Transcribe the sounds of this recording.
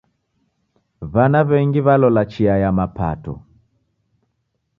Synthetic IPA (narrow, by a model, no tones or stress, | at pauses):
βanaβɛŋɡiβalɔlat͡ʃiajamapa̰tɔ̰